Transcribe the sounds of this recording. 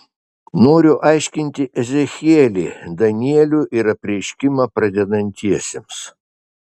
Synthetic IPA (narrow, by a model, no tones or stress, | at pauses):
noːɾʲʊʔɑɪʃʲkʲɪnʲt̪ʲɪʔɛzʲɛxʲɛːlʲeːd̪ɐnʲiiɛlʲuʔɪɾɐpʲɾʲɛɪʃʲkʲɪmɑpɾɐd̪ʲɛd̪ɐnʲt̪ʲiɛsʲḛms